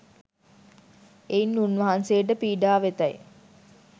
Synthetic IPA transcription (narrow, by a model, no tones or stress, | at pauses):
einːunʋɐɦansejəʈ̬əpiːɖaːʋet̪aj